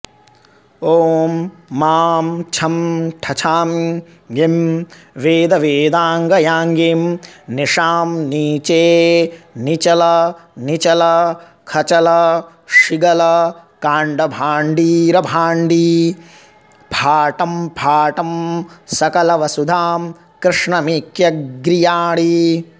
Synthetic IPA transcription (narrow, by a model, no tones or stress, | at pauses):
oːmːaːmt͡ʃʰɐmʈʰɐt͡ʃʰaːm | jem | ʋeːd̪ɐʋeːd̪aːŋɡɐjaːŋɡeːmniʂaːmniːt͡ʃeːnit͡ʃɐlɐnit͡ʃɐlɐ | kʰɐt͡ʃɐlɐ | ʂiɡɐlɐkaːɳɖɐbʱaːɳɖiːɾɐbʱaːɳɖi | bʱaːʈɐmbʱaːʈɐmsɐkɐlɐʋɐsud̪ʱaːm | kɾɪʂɳɐmiːkjɐɡɾijaːɽi